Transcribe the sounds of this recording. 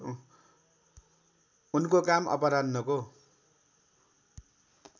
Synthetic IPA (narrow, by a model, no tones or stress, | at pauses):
unkokamʌ̰pʌɾadnʌko